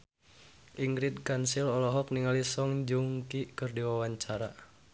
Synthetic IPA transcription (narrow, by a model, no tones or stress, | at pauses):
ʔiŋɡɾit̪̚kansilɔlɔɦɔk̚niŋalisɔŋd͡ʒuŋkikɨrdiwawaɲt͡ʃaɾa